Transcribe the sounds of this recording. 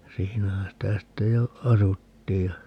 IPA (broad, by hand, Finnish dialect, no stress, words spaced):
siːnæhæ sitæ sitːe jo ɑsutːiːj jɑ